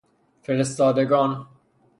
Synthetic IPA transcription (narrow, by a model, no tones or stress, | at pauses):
feɾest̪ɒːd̪eɡɒːn